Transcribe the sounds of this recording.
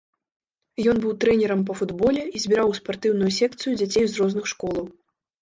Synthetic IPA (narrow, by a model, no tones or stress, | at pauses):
jɔnbɨwt̪ɾɛnʲɛɾɐmp̬ɐfud̪bɔlʲɛizʲbʲiɾawspart̪ɨwnujusʲɛkt̪sɨjud͡zʲat͡sʲejwzrɔznɨxʂkɔlˠɐw